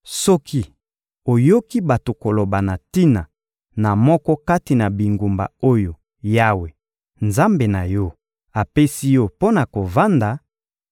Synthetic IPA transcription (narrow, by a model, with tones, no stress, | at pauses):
sɔ˦kʰi˦ | o˨jo˦ki˦ba˨to˨ko˨lo˨ba˨na˨ti˦na˨ | na˨mɔ˦kɔ˦ka˦ti˨na˨bi˨ŋɡu˨mba̰˨o˦jo˨ | ja˦we˨ | nza˦mbe˨na˨jɔ˦ | a˨pe˦si˦jɔ˦po˦na˨ko˨va˦nda˨˦